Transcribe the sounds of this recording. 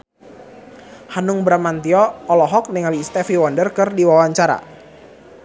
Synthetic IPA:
hanʊŋbɾamant̪iɔːlɔɦɔk̚nɪŋalist̪ɛfiwɔndərkɨrdiwawaɲt͡ʃaɾa̰

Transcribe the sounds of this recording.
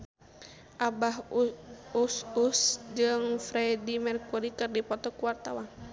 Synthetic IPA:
ʔabaɦ | ususd͡ʒɨŋfɾɛdimɛrkuɾikɨrdipɔt̪ɔkuwart̪awan

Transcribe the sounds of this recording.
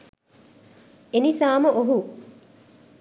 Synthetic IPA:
enisaːməʔoɦu

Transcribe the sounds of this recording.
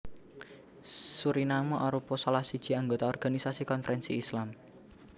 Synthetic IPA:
suɾinamɔʔaɾupɔsalahsid̥ʒ̥i̤aŋɡot̪aɔrɡ̥anisasikɔnfɾʔɛnsiːslam

